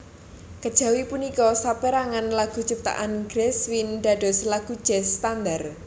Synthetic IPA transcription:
kəd̥ʒ̥ä̤wipunikɔsapeɾaŋanlaɡ̥ṳ̥t͡ʃəp̚t̪a̰ʔanɡ̥ɾɛswinɖ̪̥a̤ɖ̥ɔ̤slaɡ̥ud̥ʒ̥ɛst̪and̪ar

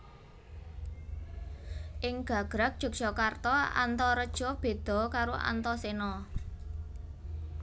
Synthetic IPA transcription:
ʔɪŋɡ̥a̤ɡ̥ɾak̚d̥ʒ̥ṳk̚sɔkart̪ɔa̰nt̪ɔɾəd̥ʒ̥ɔb̥e̤d̪̥ɔ̤kaɾoʔa̰nt̪ɔsenɔ

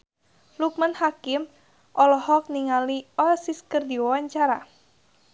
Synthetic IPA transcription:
luk̚manhakɪm | ʔɔlɔhɔk̚niŋaliɔsiskərd̪iwawaɲt͡ʃaɾa

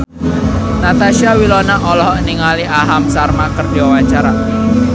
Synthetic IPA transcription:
nat̪aʃiawilɔnaʔɔlɔhɔʔniŋaliʔaɦamsarmakərd̥iwawat͡ʃaɾa

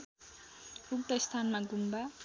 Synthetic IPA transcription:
uk̚t̪ʌst̪ʰanmaɡumba

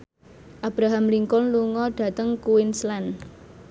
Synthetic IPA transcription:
ʔab̥ɾaɦamliŋkʊnluŋɔɖ̥ä̤t̪əŋkuwɪnslɛn

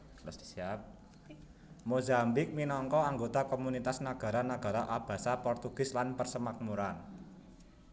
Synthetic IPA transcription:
lɔsd̪i̥siap̚ | mozambɪk̚minɔŋkɔaŋɡot̪akomunit̪asnaɡ̥a̤ɾanaɡ̥a̤ɾaʔab̥a̤sapɔrt̪uɡ̥ɪ̤slanpərsəmak̚muɾan

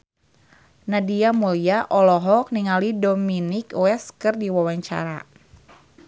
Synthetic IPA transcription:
nadiamuliaʔɔlɔɦɔk̚niŋalidominikuɛskɨrdiwawaɲt͡ʃa̰ɾa̰

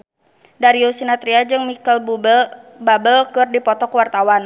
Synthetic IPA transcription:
daɾiusinat̪ɾiad͡ʒɨŋmikalb | babəlkɨrdipɔt̪ɔkəwart̪awan

